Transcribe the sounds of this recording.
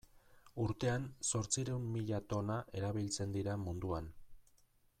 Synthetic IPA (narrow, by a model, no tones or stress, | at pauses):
uɾt̪e̞anso̞ɾt͡siɾeumːiʎat̪o̞naʔe̞ɾaβilt͡se̞nd̪iɾamund̪uan